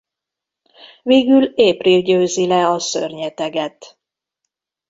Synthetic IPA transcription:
veːɡyleːprilɟøːzilɛɒsø̰rɲɛt̪ɛɡɛt̪

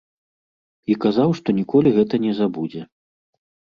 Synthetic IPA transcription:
ikazawʂt̪ɔnʲikɔlʲiɣɛt̪ɐnʲɛzabud͡zʲɛ

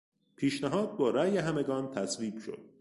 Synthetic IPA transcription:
pʰiːʃnæɦɒːd̪̚bɒːɾæːjeɦæmeɡɒːnt̪ʰæsviːb̥ʃo̞̰d̪̥

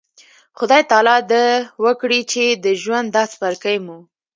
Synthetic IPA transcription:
xʊd̪ɑjt̪ɑlɑd̪əwəkɽit͡ʃed̪əʒwand̪ːɑspaɾkəjmu

